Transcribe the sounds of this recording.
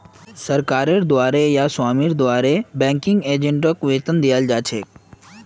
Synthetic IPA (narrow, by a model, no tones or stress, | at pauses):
səɾkaːɾeɾd̪waːɾejaswaːmiɾd̪ʊʋaːɾebɛ̃ːŋkɪŋɡeːd͡ʒẽɳʈəkʋeːt̪ənd̪ijald͡ʒaːt͡ʃʰeː